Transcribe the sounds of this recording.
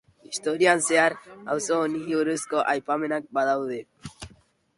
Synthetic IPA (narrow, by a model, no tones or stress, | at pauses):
ist̪oɾianseaɾa̰wsoːniɦiuɾeskoʔajpamenak̚baðawðe